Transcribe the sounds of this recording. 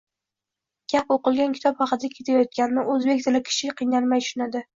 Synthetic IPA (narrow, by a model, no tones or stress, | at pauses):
ɡ̥ʲapoqɨlˠɡʲankʲɪ̥t̪ʰɒphɑqɨt̪ʰakʲʰe̞t̪ʰajɒt̪̚kʲanɪnɪɵzbekʲt̪ʰɪlɪkʲʰɪ̥ʃɪqʰɨjnalˠmajʃʊnad̪ɪ